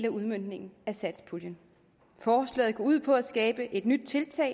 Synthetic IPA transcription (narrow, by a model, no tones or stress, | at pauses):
læuðˠmøn̰d̥ne̝ŋn̩æsæd̥spʰuljən | fɒːslɛ̰ːð̞̩ˠkʰæuð̞̰ˠpʰɒ̽æsɡ̥ɛːb̥əʔe̝d̥nyd̥̚t͡sʰe̝lt͡sʰɛ̰ɪ